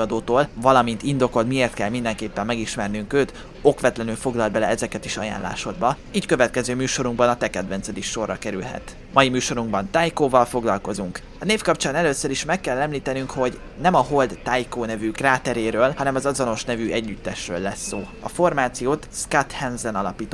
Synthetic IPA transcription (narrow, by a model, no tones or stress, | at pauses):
ɒd̪oːt̪oːlvɒlɒmint̪ind̪o̞ko̞lt̪mieːrt̪kɛlmind̪ɛŋkeːpːɛmːɛɡiʃmɛrnyŋkøːt̪ | o̞kʋɛt̪lɛnylfo̞ɡlɒlbɛlɛɛzɛkɛt̪iʃɒja̰ːnla̰ːʃo̞d̪̚bɒ | iːckøvɛt̪kɛzøːmyːʃo̞ɾuŋɡbɒnɒt̪ɛkɛd̪vɛnt̪sɛd̪ikʃo̞rːɒkɛɾylɦɛ̰t̪ | mɒjimyːʃo̞ɾuŋɡbɒnt̪aːjkoːvɒlfo̞ɡlɒlko̞zuŋk | ɒneːfkɒpt͡ʃaːnɛløːsːøɾiʃmɛkːɛlːɛmliːt̪ɛnyŋkho̞ɟ | nɛmɒɦo̞ld̪ːajkoːnɛvykraːt̪ɛɾeːɾøːlhɒnɛmɒzɒzo̞no̞ʃnɛvyʔɛɟːyt̪ːɛʃrø̰ːlːɛsːoː | ɒ̰fo̞rmaːt̪sijoːt̪skat̪hɛnzɛnɒlɒpiːt̪o